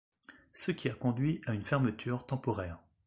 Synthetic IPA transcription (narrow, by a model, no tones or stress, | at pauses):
səkʲʰiakɔ̃d̪ɥiaynfɛʁmət̪ʰyʁt̪ɑ̃pɔʁɛːʁ